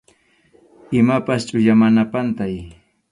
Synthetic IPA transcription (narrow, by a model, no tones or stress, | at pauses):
ɪmapast͡ʃʼʊʎamanapant̪aj